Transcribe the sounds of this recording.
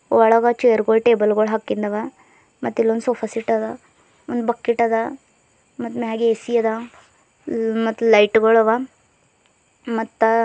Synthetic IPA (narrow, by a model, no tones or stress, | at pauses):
ɔɭɐɡat͡ʃejɐɾɡoɭʈeːbɐlɡoɭɦakːind̪ɐʋa | mɐt̪ːilːond̪soːpʰasiʈːɐd̪ɐ | ond̪bɐkːiʈːɐd̪ɐ | mɐt̪ːmeɦaːɡeesijɐd̪ɐ | mɐt̪ːulɐjʈɡoɭɐʋa | mɐt̪ːɐ